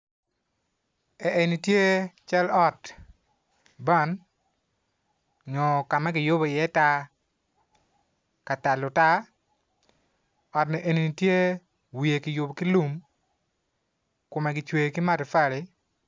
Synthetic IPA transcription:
ɛ˨ʔe˨ni˨tje˦t͡ʃa˦lɔ˦t | ba˦˨n | ŋɔ˨ka˨mɛ˦kɪ˨jʊ˦bɔ˨ɪjɛ˦ta˦ | ka˨ta˨lʊ˨ta˦ | ɔ˨tni˨ʔe˨ni˨ni˨tje˦ | wi˨je˨kɪ˨jʊ˨bki˦lu˦m | kʊ˨mɛ˨ɡɪ˨t͡ʃwe˨ki˦ma˦tɪ˨fa˦˨lɪ˨

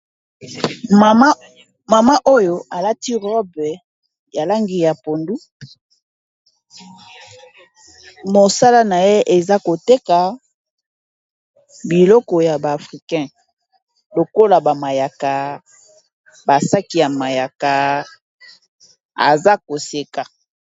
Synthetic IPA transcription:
ma˨ma˦ʔo˦jo˨a˨la˦ti˦ʁɔ˦b | ja˨la˦ŋɡi˨ja˨po˨ndu˦ | mo˨sa˦la˦na˨je˦ʔe˨za˦ko˨te˦ka˨ | bi˨lɔ˦kɔ˨ja˨baː˨fʁi˨kɛ̃˦ | lo˨ko˦la˨ba˨ma˨ja˨ka˨ | ba˨sa˦ki˨ja˨ma˨ja˨ka˨ | a̰˨za˦ko˨se˨ka˨

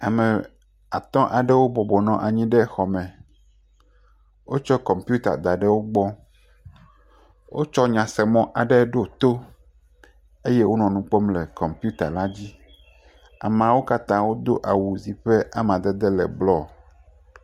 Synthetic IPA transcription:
a˨mɛ̃˨ | a˨t̪ɔ̃˦ʔa˨ɖɛ˦wo˦bɔ˨bɔ˨nɔ̃˨ʔa˨ɲĩ˦ɖɛ˦˨xɔ˨mɛ̃˨ | wo˦t͡ʃɔ˦kɔ˨mpju˦t̪a̰˨d̪a˨ɖɛ˦wo˦ɡ͡bɔ˦ | wʔo̰˦t͡ʃɔ˦ɲã˨sɛ˨mɔ̃˦ʔa˨ɖɛ˦ɖo˦t̪o˦ | e˦je˦wo˦nɔ̃˨nũ˨k͡po˦mlɛ˨kɔ˨mpu˦t̪a̰˨la˦d͡ʑi˦ | a̰˨m˨ã˨wo˦ka˦t̪ã˦wo˦d̪o˦ʔa˨wu˨zi˨ɸe˦ʔa˨mã˨d̪ɛ˦d̪ɛ˦lɛ̰˨blɔ˦

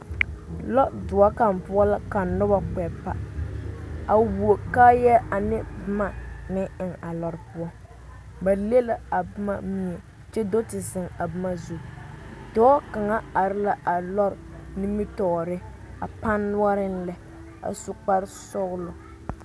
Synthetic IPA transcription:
lɔ˦ʔdʊ˨a˦ka˨m˨pʊ˦a˦la˦ka˨nʊ˦ba˨k͡pɛ˨pa˦ | a˨wu˨o˨ka˦jɛ˦a˨nɪ˦bɨ˦ma˨nɪ˦ɪ˨ŋa˨lɔ˨ɾpʊ˦ɔ˦ | ba˨le˦la˦a˨bʊ˦ma˦mi˦ɛ˨ | t͡ʃɛ˦do˦tɪ˨zɪ˨ŋa˨bɨ˦ma˦zu˦dɔː˦ka˨ŋa˦a˨ɾɪ˦la˦ʔa˨lɔ˦ɾni˦mi˦tɔ˨ɾɪ˦ | a˨pa˦nːʊ˦a˦ɾɪ˦n˦lɛ˦ | a̰˨sʊ˦k͡pa˦ɾsɔ˦ɣlʊ˨

